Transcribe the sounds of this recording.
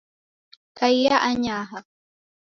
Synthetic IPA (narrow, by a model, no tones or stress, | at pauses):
kajːaʔaɲaːɦɑ